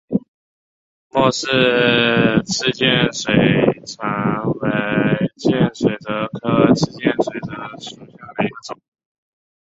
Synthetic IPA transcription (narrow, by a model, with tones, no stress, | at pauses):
mwɔ˥˧ʂɻ̩˥˧ | t͡sʰɹ̩˥˧t͡ɕjɛ˥˩nʂwe˨˩ɪʈ͡ʂʰa˧˥ŋwe˧˥ɪt͡ɕjɛ˥˩nʂwe˨˩ɪd̪ə˧˦kʰɤ˥t͡sʰɹɻ̩˥˧t͡ɕjɛ˥˩nʂwe˨˩ɪd̪ə˦ʂu˨˩ɕjɑ˥˩ŋd̪ə˨˩i˧˥ɡə˧˩ʈ͡ʂʊ˨˩˦